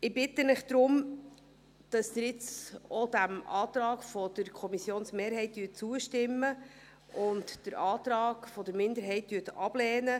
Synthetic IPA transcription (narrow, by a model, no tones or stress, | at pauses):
ɪbɪt̪ːənɪχd̪̥ɾʊm | d̥ɑsd̪əɾjɪt͡sɔd̥̪æmʔɑːt̪ɾɑːɡfɔd̥̪əɾkʰɔmisjoːnsmeːɾɦɛɪtdyːt̚t͡suəʃtɪmːə | ʊntd̥əɾʔɑːt̪ɾɑːɡ̥fɔdəɾmɪndəɾɦɛɪt̚dyːtɑb̥lɛːnə